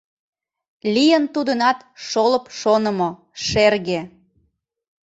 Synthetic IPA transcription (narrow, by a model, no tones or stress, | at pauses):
lʲijənt̪ud̪ənɑt̪ʃoləpʃonə̆mo | ʃerɣe